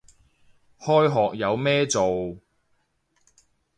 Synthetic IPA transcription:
hɔː˥jɦɔː˨k̚jɐ˨˧wmɛː˥t͡so˨w

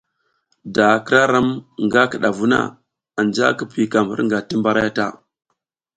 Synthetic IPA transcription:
da˨kɾa˦ɾa˦mŋɡa˦kə˨ɗa˨vu˦na̰˦ | a˨nd͡ʒa̰˦kə˨pi˦ka˨mə̰˦ɾŋɡa˨ti˦mba˦ɾa˦ja˦ta̰˦˨

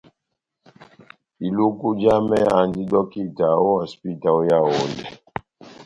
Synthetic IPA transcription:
i˨lu˦ku˦d͡ʒa˦mɛ˦a˨ndi˦dɔ˦ki˦ta˨o˦a˨spi˦˨ta˨o˦ja˦wo˨˦ndɛ̰˨

